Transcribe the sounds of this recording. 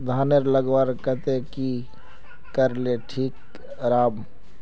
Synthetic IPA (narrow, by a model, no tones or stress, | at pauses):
d̪ʱaːneɾləɡwaːɾkət̪eki | kəɾleʈʰiːk | ɾaːb